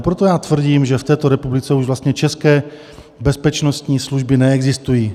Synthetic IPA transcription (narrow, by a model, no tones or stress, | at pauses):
pɾot̪ojaːt̪vr̩ɟiːmʒɛft̪ɛːt̪oɾɛpublɪt͡sɛuʒvlast̪ɲɛt͡ʃɛskɛː | bɛspɛt͡ʃnost̪ɲiːsluʒbɪnɛɛɡzɪst̪ujiː